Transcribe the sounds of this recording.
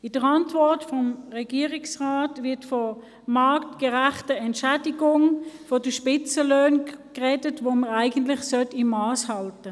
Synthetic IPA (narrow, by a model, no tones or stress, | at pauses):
ɪd̥əʁɑntvɔɐtfɔmʁɛɡ̥iːəʁɪksʁaːtvɪɐtfɔ | mɑɐktkɛʁæχtəɛntʃæːdiɡʊŋfɔd̥əʃpɪt͡səløːnkʁɛdətvoməʁaɪɡəntlɪχsœtɪmːɑːshɑltə